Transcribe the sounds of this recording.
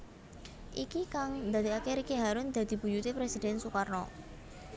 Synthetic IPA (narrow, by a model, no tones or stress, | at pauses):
ʔikikaŋd̪ad̪iakeɾikeɦaɾʊnd̪̥a̤d̪̥i̤b̥ṳjut̪epɾesid̥̪ɛ̤nsukarnɔ